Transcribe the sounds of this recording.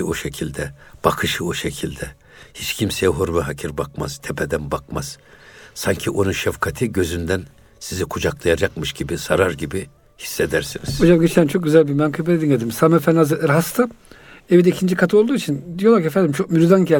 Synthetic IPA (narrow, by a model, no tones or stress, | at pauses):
oʃecʰilʲd̪ɛb̥akʰɯʃɯoʃecʰilʲd̪ɛ | hit͡ʃcʰimsejɛɦoɾmɛɦacʰiɾbakma̰z̥t̪ʰepʰɛd̪ænbakmaz̥saɲcʰiʔo̞nunʃafkʰat̪ʰɯɟø̞zynd̪æn | sizikʰud͡ʒaklˠajad͡ʒakmɯʃɟibisaɾaɾɟibi | hi̥sːed̪æɾsiniz̥od͡ʒamɟet͡ʃlʲænt͡ʃʰo̞k̚ɟyzælʲbiɾmæŋkʰɯbɛt̪ed̪iɡed̪imsamefænazɯʔɯɾɦast̪ʰɯ | evid̪ɛicʰind͡ʒikʰat̪ʰɯolˠd̪uːit͡ʃʰind̪ijo̞lˠaɾciefænd̪imt͡ʃʰo̞k̚myɾuzanɟɛ